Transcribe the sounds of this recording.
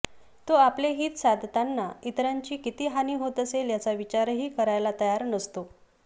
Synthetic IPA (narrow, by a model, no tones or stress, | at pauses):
t̪oapleɦiːt̪sad̪ʱt̪anːait̪ɾaɲt͡ɕiːkit̪iːɦaniːɦot̪əseljat͡saʋit͡ɕaɾɦiːkəɾajlat̪əjaɾnəst̪o